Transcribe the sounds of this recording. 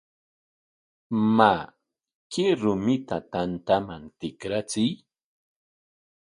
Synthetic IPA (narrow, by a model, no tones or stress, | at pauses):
ma | kɪɾʊmɪt̪at̪ant̪amaŋt̪ɪkɾat͡sɪj